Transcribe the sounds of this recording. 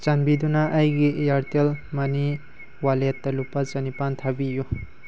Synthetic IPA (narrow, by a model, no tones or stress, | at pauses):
t͡ʃanbid̪unaʔɐjɡijaɾt̪elmɐni | walet̪ːɐlupat͡ʃɐnipant̪ʰabiju